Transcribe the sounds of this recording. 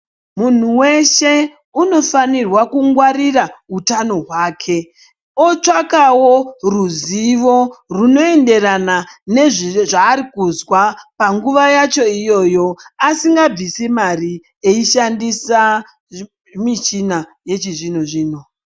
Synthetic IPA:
mun̤uwe̞ʃe̞ | uno̞fanirwakuŋɡwaɾirautano̞ɦwaːkʰe̞ | ot͡ʂakawo̞ruziʋo̞runo̞e̞nde̞ranane̞ʐʐaːɾikuzwapaŋɡuʋajat͡ʃo̞ijo̞jo̞asiŋɡab͡visimari | eiʃandisa | mit͡ʃinaje̞t͡ʃiʐin̤oʐiːno

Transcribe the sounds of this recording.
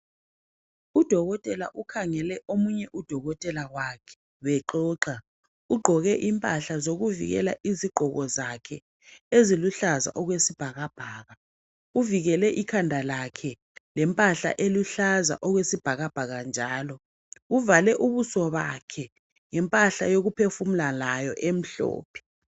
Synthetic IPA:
ud̥ʱɔɣɔtʼɛla̰ʔukʰaŋɛlɛʔomuɲɛʔud̥ʱɔɣɔtʼɛlaɣwakʰɛ̥ | wɛǃɔːǃa | uɡ͡ǃʱɔɣɛʔimpʼaɬazoɣuvḭɣɛ̰laʔiziɡ͡ǃ̥ʱɔɣɔzakʰɛ | eziluɬaza̰ʔɔɣwesib̥ʱaɣab̥ʱaːɣa | uviɣɛlɛʔikʰandʱalakʰɛ | lɛmpʼaɬa̰ʔeluɬaza̰ʔɔɣwesib̥ʱaɣab̥ʱaɣand͡ʒʱaːlɔ | uvalɛʔuβusɔβakʰɛ | ŋɛmpʼaɬajoɣupʰefum̩lalajɔʔem̩ɬɔ̰ːpʰɛ̥

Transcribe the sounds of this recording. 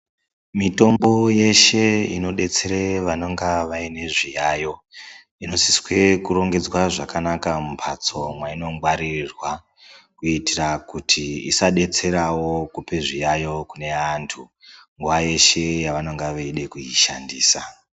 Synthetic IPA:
mito̞mbo̞je̞ʃe̞ḭno̞ɗe̞t͡se̞ɾeʋanoŋɡaʋaine̞ʐijaːjo̞ | ino̞siswe̞kuɾo̞ŋɡe̞d͡zwaʐakanakamumpʰat͡so̞mwaino̞ŋɡwaɾirwa | kuitirakutʰiḭsaɗe̞t͡se̞ɾawo̞kupe̞ʐijajo̞kune̞antʰu | ŋɡuʋaje̞ʃe̞jaʋano̞ŋɡaʋaiɗe̞kuiʃandiːsa

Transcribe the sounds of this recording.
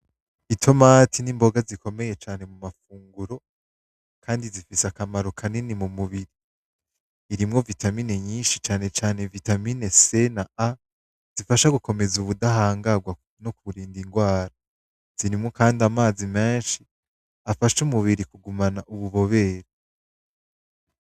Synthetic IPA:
itʰo̞matʰinimbo̞ɡaziko̞me̞je̞t͡ʃaːne̞mumafuːŋɡuɾo̞ | kʰaːndizifisakamaɾo̞kʰaninimumuβiɾiː | ɾimŋo̞vitamine̞ɲiːnʃit͡ʃaːne̞t͡ʃaːne̞vitamine̞se̞naa | z̥ifaʃaɡuko̞me̞zuβudahaːŋɡaɡwa | nokuɾiːndiŋɡwaːɾa | z̥iɾimŋokaːndamaːzime̞ːnʃi | afaʃumuβiɾikuɡumanaʔuβuβo̞βe̞ːɾe

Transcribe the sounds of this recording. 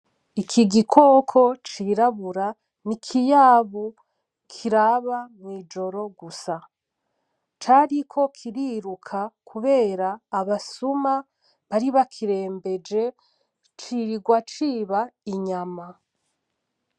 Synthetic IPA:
ikʰiɡikʰo̞kʰo̞t͡ʃiɾaβuɾa | nikʰijaβu | kʰiɾaβamŋwiːd͡ʒo̞ɾo̞ɡusa | t͡ʃaɾikʰo̞kʰiɾiɾukʰakʰuβe̞ːɾaːβasuma | βaɾiβakʰiɾe̞ːmbe̞d͡ʒe̞ | t͡ʃiɾiɡwat͡ʃiːβaiɲama

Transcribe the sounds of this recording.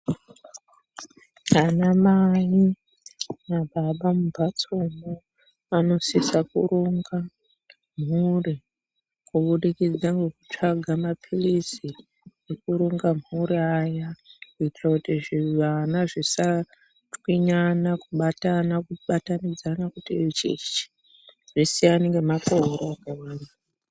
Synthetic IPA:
anamaji | maɓaɓamubʱat͡somo | ano̞sisakṵɾoŋɡa | m̤uri | kuɓuɗikid͡zaŋɡekut͡ʂaɡʱamapʰilisi | jekuɾoŋɡamuɾiajakuitrakutiʐiʋanaʐisa | twiɲanakuɓatanakuɓatanid͡zanakutiet͡ʃḛt͡ʃi̥ | ʐisianeŋɡemakoɦoɾaakawaːna

